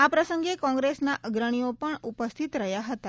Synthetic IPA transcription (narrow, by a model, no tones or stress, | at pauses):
apɾəsəŋɡekɔ̃ŋɡɾesnaʔəɡɾəɽ̃iopəɳupəst̪ʰit̪ɾəɦjaɦət̪a